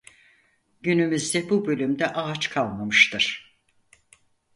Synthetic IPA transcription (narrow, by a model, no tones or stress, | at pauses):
ɟynymyzd̪ɛbubø̞lʲymd̪ɛʔaːt͡ʃkʰalˠmamɯʃt̪ʰɯɾ̥